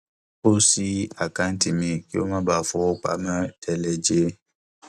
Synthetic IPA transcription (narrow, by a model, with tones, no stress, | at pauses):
o˦si˦a˨kã˨˦n̩˦ti˧˨mĩ˧ki˦o˦mã˦ba˦˨fɔ˧o˦k͡pa̰˨˦mã˦tʰɛ˧lɛ˨d͡ʒe˧˦